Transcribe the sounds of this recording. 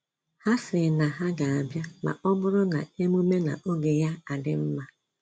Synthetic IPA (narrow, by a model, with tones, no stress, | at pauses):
ha˦sɪ˨na˨ɦa˦ɡa˨a˨bja˦ma̰˨ʔɔ˦bʊ˦ɾʊ˦na̰˨e˦mu˦me˦na̰˨ʔo˦ɡe˨ja˦a˨dɪ˦m̩˦ma˦